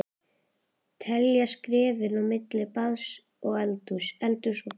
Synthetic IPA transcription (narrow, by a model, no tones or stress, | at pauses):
t̪ʰɛljaskɾɛːvɪnawmɪt̪lɪpaðs | ɔɣɛlt̪ʏsɛlt̪ʏsɔ